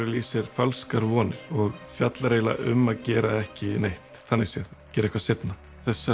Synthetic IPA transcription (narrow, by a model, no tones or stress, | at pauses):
ɾɪliːsɪɾ̥falskaɾvɔːnɪɾ̥ɔɣfjat̪laɾeːjla̰ʔʏ̰mːaðcɛːɾaɛhcɪnejht̪θanːɪɣsjɛðcɛːɾɛhkvaset̪na | θɛsːa